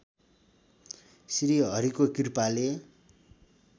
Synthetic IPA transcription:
sɾiɦʌɾikokirpale

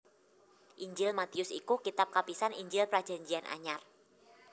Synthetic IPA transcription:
ʔiɲd͡ʒɪlmat̪iʊsḭkukit̪ap̚kapisaniɲd͡ʒɪlpɾḁd͡ʒ̥a̤ɲd͡ʒianʔa̰ɲar

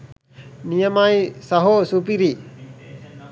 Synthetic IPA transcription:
nijɐmajsɐɦosupiɾi

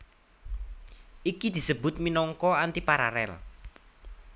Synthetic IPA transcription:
ʔikid̪̥i̤səbʊ̤t̪̚minɔŋkɔant̪ipaɾa̰ɾɛ̰l

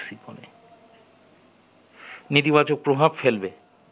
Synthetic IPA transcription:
sipɔnɛ̰ | nit̪ibad͡ʒɔk̚pɹobʱabfʰɛlbɛ

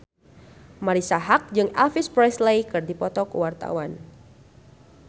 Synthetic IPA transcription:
maɾisaɦak̚d͡ʒɨŋa̰lfispɾɛslejkɨrdipɔt̪ɔkuwart̪a̰wan

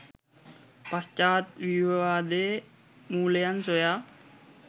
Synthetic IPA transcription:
pɐst͡ʃaːt̪ʋiʋʋaːd̪e | muːlejansoja

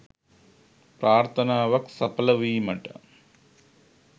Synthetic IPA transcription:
pɾaːɾt̪ʰɐnaːʋɐksɐpɐlɐʋiːmɐʈɐ̰

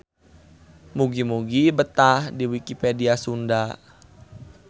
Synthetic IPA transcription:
muɡimuɡibət̪ahdiwikipediasunda

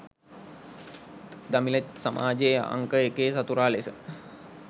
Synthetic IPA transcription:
d̪amiləsamʔa̰ːd͡ʒea̰ŋkəekeːsat̪uɾaːlesə

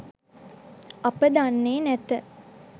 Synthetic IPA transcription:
apəd̪anːeːnæt̪ə

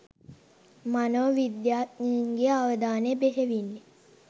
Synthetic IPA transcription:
manoʋʋid̪jaːt̪niŋɡeaʋəd̪aːnebeɦeʋinːe

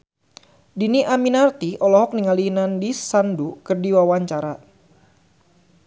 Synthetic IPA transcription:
diniʔaminart̪iɔlɔɦɔk̚niŋalinandisandukɨrdiwawaɲt͡ʃaɾa

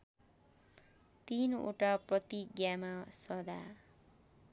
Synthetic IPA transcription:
t̪ino̰ʈaprʌt̪iɡjamasʌd̪a̰

